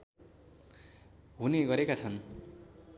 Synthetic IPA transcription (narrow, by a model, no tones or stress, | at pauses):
ɦuneɡʌɾekat͡sʰʌn